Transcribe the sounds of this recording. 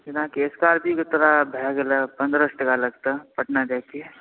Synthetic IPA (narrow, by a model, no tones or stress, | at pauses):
d͡ʒɪnãkieskaːɾbʱiɡɪt̪ɾabʱɛːɡelapɐ̃nd̪ɾəsʈəkalɐɡt̪apəʈnad͡ʒaːki